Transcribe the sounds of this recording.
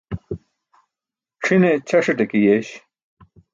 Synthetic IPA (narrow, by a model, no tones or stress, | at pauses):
ʈ͡ʂʰinet͡ɕʰɐʂeʈekijeɕ